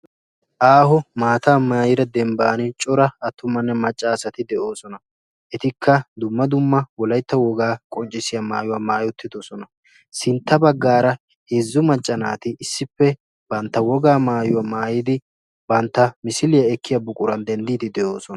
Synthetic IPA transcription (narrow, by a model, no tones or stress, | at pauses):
ʔaːhʊmaːt̪aːmaːjɪɾɐd̪ɛmbaːnɪt͡ʃʼɔɾɐɐt̪ːʊmːɐnːɛmɐt͡ʃʼːaːsɐt̪ɪd̪ɛʔo̞ːsɔnɐ | ʔɛt̪ɪkʰːɐd̪ʊmːɐd̪ʊmːɐwɔlɐjt̪ːɐwɔɡaːkʼɔnt͡ʃʼːɪsɪjɐma̰ːjʊwaːmaːjʊt̪ːɪd̪osɔnɐ | sɪnt̪ːɐbɐɡːaːɾɐ | heːzːʊmɐt͡ʃʼːɐnaːt̪ɪʔɪsːɪpːɛ | b̥ɐnt̪ːɐwɔɡaːmaːjʊwaːmaːjɪd̪ɪ | bɐnt̪ːɐmɪsɪlɪjɐɛkːɪjɐbʊkʼʊɾɐnd̪ɛnd̪iːd̪ɪd̪ɛʔo̞ːsɔnɐ